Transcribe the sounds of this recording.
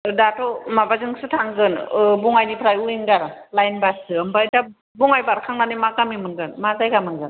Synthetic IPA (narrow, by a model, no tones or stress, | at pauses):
datɔmabazɯŋsɯtʰaŋɡɯnbuŋajnipʰɾajuinɡaɾɯlajnbasɯɯmbata | buŋajbaɾkʰaŋnanɯmakamimɯŋɡɯnmazajɡamɯŋɡɯn